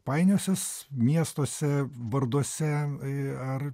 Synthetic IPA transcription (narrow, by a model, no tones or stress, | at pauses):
pɐɪnʲoːsʲɛs | mʲiɛst̪oːsʲɛʋɐɾd̪uɔsʲɛ | ɐr